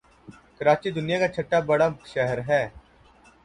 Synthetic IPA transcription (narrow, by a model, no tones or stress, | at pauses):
kəɾaːt͡ʃid̪ʊnijakat͡ʃʰɐʈːabɐɽaʃɛɦəɾɦɛː